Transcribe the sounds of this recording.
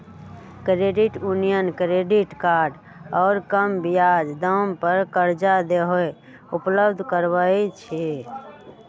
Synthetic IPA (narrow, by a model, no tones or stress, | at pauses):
kɾeɖiʈjunijənkɾeɖiʈkaɾɖ | ɔːɾkəmbijad͡ʒd̪əmpəɾkəɾd͡ʒad̪eɦoe | upləbd̪ʱkəɾʋəit͡ʃʰe